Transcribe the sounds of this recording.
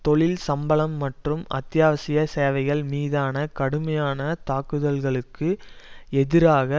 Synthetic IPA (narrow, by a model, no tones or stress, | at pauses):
t̪ɔɭɪlsɐmbɐɭɐmːɐʈrɯmɐ̰t̪jaːʋɐsɪjɐseːʋɐɪɣɐɭmiːðaːnɐkɐɽɯmɐjaːnɐt̪aːkːɯðɐlɣɐɭɯkːɯɛðɪɾaːɣɐ